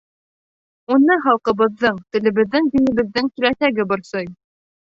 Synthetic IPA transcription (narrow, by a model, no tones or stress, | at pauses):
unɤɦɑlˠqɤ̆βɤ̆ðːɤɴt̪ɘ̆lɘ̆βɘ̆ðːɘŋd̪inɘ̆βɘ̆ðːɘŋt̪ɵ̆læsæɡɘbɤ̆ɾsɤj